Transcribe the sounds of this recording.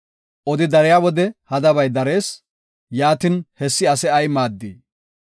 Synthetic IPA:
ʔɔd̪ɪd̪ɐɾɛjawɔd̪ɛhɐd̪ɐbɐjd̪ɐɾe̞ːs | jaːt̪ɪnhɛsːɪɐsɛɐjmaːd̪ːiː

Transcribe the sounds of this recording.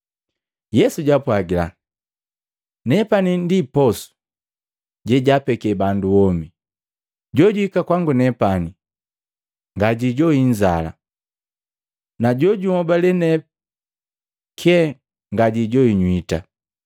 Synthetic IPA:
jɛsuɟapwaɡila̰ | nɛpanindipɔsu̥ | ɟɛɟapɛkɛbanduɔmi | ɟɔɟuikakwaŋɡunɛpani | ŋɡaɟiɟɔiɲd͡ʒa̰la̰ | naɟɔɟumɔbalɛnɛ | kʰɛ | ŋɡaɟiɟɔiɲwita

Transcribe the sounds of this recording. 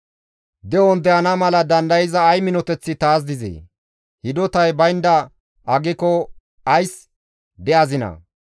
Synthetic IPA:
d̪ɛɔnd̪ɛɐnɐmɐlɐd̪ɐnd̪ɐjɪzɐːjmɪnɔt̪ɛt͡sːɪt̪aːs̬d̪ɪzɛ̰ | hɪd̪ɔt̪ɐjbɐjnd̪ɐ | ɐɡɪkɔ | ɐjs | d̪ɛʔɐzɪnɐ̰

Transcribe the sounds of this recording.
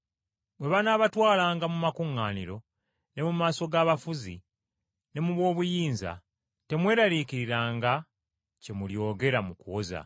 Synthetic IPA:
bwe̞βanaːβatwaːlaːŋɡamumakuŋːaːniɾo̞ | ne̞mumaːso̞ɡaːβafuzi | ne̞muβwo̞ːβujiːnza̰ | te̞mwe̞ːɾalikiɾiɾaːŋɡa | ce̞muljo̞ːɡe̞ɾamukuwoza̰

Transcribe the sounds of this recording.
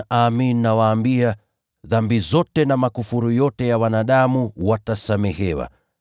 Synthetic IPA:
ʔaminːawaːmbia | ðambizɔtɛnamakufuɾujɔtɛjawanaɗamuwatasamɛhɛwa̰

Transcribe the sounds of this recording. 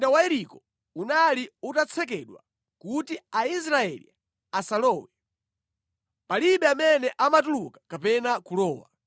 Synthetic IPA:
dawaɛɾikɔ | unaliutat͡sʰɛk̬ɛɗwa̰ | kutiais̬ɾaɛ̰lḭ | asalɔːwɛ | paliɓɛamɛnɛʔamat̬ulukḁkapɛnakulɔːwa̰

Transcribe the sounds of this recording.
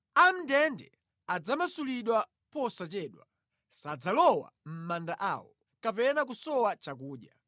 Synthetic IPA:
an̩dɛndɛ̰ | ad͡zamasuliɗwa | pɔsat͡ʃɛːɗwa̰ | sad͡zalɔwa̰m̩mandaʔaːwɔ | kapɛnak̬usɔwat͡ʃak̬uːɗja

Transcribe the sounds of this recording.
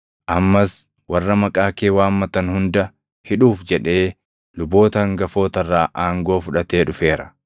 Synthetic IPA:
ʔɐmːɐs | wɐrːɐmɐkʼaːkeːwaːmːɐt̪ɐnhʊnd̪ɐ | hɪᶑuːfd͡ʒɛᶑe̞ː | lʊbo̞ːt̪ɐŋɡɐfo̞ːt̪ɐrːaːʔaːŋɡo̞ːfʊᶑɐt̪e̞ːᶑʊfe̞ːɾɐ

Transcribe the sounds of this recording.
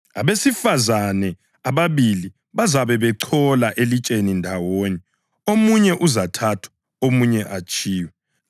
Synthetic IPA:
a̰βesifazanɛ | aβaβili | βazaβɛβɛǀʰɔlaʔelit͡ʃʼenindʱawoni | omuɲɛʔuzatʰatʰwḁ | omuɲɛʔat͡ʃʼiːwɛ

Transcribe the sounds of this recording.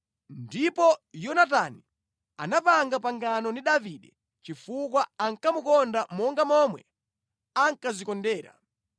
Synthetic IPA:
ndipɔjɔnatani | a̰napaŋɡapaŋɡanɔniɗaviɗɛ | t͡ʃifukwaaŋkamukɔndamɔŋɡamɔmwɛ | aŋkazikɔndɛːɾa̰

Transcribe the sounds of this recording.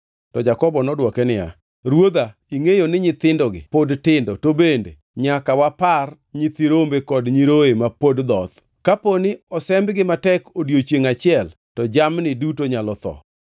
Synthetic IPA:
tɔd͡ʒakɔbɔnɔdwɔkɛnɪja̰ | ɾwod̪aiŋejonɪɲɪt̪ɪndɔɡɪ̰podtɪndotobende | ɲakawapar | ɲɪt̪iɾombekɔdɲiɾoemapodd̪ɔt̪ | kaponɪɔsɛmbɡɪmatɛkodjot͡ʃjeŋat͡ʃɪɛl | tɔd͡ʒamnɪdutoɲalɔt̪ɔ̰

